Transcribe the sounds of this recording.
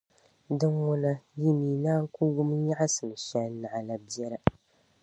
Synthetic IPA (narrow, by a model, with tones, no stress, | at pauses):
dɨ˦ŋwʊ˦na˦ji˦miː˨˦naː˦ku˦ɡʊ˦m˦ɲa˦ʔa˦sɨ˨n˨ʃɛ˦na˨ʔa˨la˨bi˦ɛ˦ɾa˨